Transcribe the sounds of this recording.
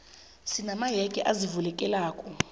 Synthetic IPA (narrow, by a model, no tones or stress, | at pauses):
sinamajɛkʼɛʔazivulɛkʼɛlaːkʼɔ